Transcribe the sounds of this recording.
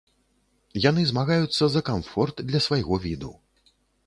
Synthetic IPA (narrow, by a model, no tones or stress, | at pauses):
jan̪ɨzmaɣajut̪sːɐzɐkamfɔrt̪d̪lʲɐsvajɣɔvʲid̪u